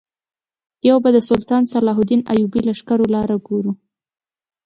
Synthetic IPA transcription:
jawbad̪əsʊlt̪ɑnsalɑɦʊd̪ina̰jubilaʃkaɾolɑɾaɡoɾu

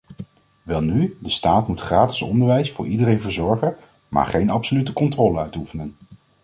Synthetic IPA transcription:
ʋɛlˠnydəstaːtmutχraːtɪ̥sɔ̰ndəɹʋɛjsfʊ̰ːɹʔidəɾejnvəɹzɔɹχə | ma̰ːɹχejnɑpsolytəkɔntrɔːlənœɥtufənən

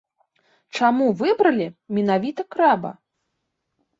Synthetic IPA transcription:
t͡ʂamuvɨbɾɐlʲimʲinavʲit̪ɐkɾɛbɐ̰

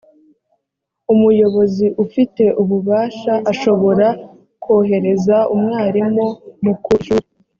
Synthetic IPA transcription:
umujo̞βo̞ziʔufite̞ʔuβuβaːʃaʔaʃo̞βo̞ɾa | kʰo̞ːɦe̞ɾe̞zaumŋaːɾimomukuu

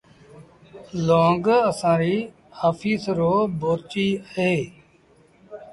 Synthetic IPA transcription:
loːŋɡəsãːɾiː | aːfʰiːsɾoːboːɾt͡ʃiːɦeː

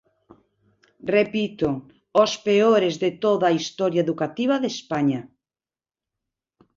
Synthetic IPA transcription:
repit̪o | ospeoɾezðet̪oðaːist̪ɔɾjaeðukat̪iβaðespaɲa

